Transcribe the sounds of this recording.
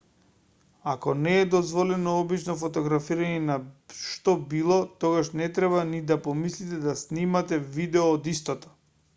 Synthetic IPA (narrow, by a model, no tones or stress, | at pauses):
akɔnɛːd̪ɔzvɔlɛnɔɔbit͡ʃnɔfɔt̪ɔɡɾafiɾaɲɛnaʃt̪ɔbilˠɔt̪ɔɡaʃnɛt̪ɾɛβanid̪apɔmislit̪ɛd̪asnimat̪ɛvid̪ɛɔːd̪ist̪ɔt̪ɔ̥